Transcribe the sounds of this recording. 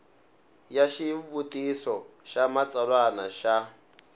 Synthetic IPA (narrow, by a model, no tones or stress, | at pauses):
jaʃivutisɔʃamat͡saɺwanaʃa